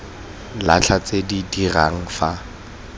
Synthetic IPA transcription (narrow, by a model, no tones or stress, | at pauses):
la̰t͡ɬʰat͡sedidira̰ŋ̩fa